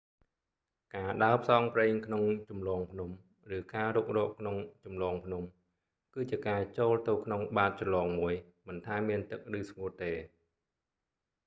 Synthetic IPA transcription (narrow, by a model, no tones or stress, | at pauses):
kaːɗaəp̚sɑːŋpreːŋkʰnoŋt͡ɕumlɑːŋpʰnum | rɨːkaːɾuːk̚rɔːʔkʰnoŋt͡ɕumlɑːŋpʰnum | kɨːt͡ɕiəkaːt͡ɕoːlt̪ɨwkʰnoŋɓaːt̪̚t͡ɕɑnlɑːŋmuəj | mɨnt̪ʰaɛmːiənt̪ɨk̚rɨːsŋuət̪eː